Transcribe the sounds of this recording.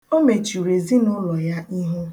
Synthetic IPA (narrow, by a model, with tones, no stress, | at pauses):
o˦me˨t͡ʃu˨ɾe˨zi˦nʊ˦lɔ˨ja˦i˦ɦu˦